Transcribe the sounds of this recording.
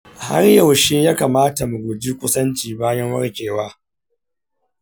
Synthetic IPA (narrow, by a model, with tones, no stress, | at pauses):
ha̰˦rja˨wʃi˦jaː˦kaː˨maː˦ta˨mu˨ɡʷʊ˨d͡ʒi˦kʷʊ˦sɐ˦nt͡ʃiː˨baː˦jɐ˦ŋwɐ̰˦ɽkʲeː˨waː˦